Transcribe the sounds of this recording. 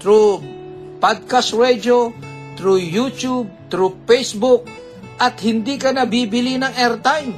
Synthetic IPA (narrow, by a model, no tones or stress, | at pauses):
t̪ɾu | pad̪̚kasɹɛd͡ʒo | t̪ɾujut͡ʃub̚t̪ɾupɛjsbʊk̚ | ʔɐt̪hɪnd̪ikɐnɐbiːbɪlinɐŋɛɹt̪ajm